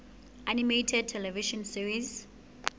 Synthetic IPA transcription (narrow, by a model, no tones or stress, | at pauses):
ʔanimetʰɛd̚tʰɛlɛviʃɔ̃nsiɹis